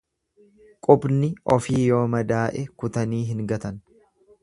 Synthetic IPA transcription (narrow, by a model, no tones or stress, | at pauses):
kʼʊbnɪʔɔfiːjo̞ːmɐd̪aːʔɛkʊt̪ɐniːɦɪŋɡɐt̪ɐn